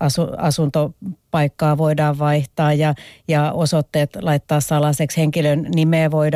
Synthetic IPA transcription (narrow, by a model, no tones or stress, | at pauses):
ɑsuɑsunt̪opɑikːɑːʋoidɑːʋʋɑiht̪ɑːjjɑjɑosot̪ːeːt̪lɑit̪ːɑːssɑlɑseksheŋkilønnimeːʋoid